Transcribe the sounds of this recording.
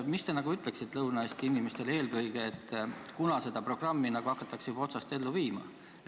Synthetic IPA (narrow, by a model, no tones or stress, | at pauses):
mist̪e̞nɑɡ̥uyt̪ːˑle̞ksit̪ːlɤwnɑest̪iinʲime̞st̪e̞le̞ːlɡɤjɡ̥e̞et̪ːˑkunɑse̞d̪̥ɑpro̞ɡ̥rɑmːinɑɡ̥uɑkːˑɑt̪ːˑɑksub̥o̞t̪sɑst̪e̞lːuviːmɑ̰